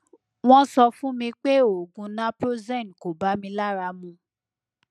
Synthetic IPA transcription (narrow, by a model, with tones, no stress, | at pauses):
w̃ɔ̃˦sɔ˧fũ˦mĩ˧k͡pe˦o˨ɡũ˧nã˦pɾo˦zɛ̃˦˨n˨ko˨ba˦mĩ˧la˦ɾa˧˦mũ˧